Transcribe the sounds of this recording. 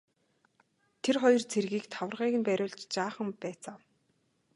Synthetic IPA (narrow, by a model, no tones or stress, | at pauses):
t̪ʰerχɔjɞ̆rt͡sʰerɣiːkt̪ʰawə̆rʁiːɣɘ̆npæɾʲʊːɮt͡ɕt͡ɕaːχə̆mpæːt͡saːw